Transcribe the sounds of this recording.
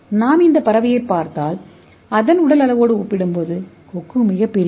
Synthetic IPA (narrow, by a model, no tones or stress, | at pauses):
naːmɪnd̪ɐpːɐɾɐʋɪjɐɪpːaːɾt̪aːl | ɐðɐnʊɽɐlɐlɐʋoːɽɯɔpːɪɽɯmpoðɯ | kɔkːɯmɪjɐpːɪl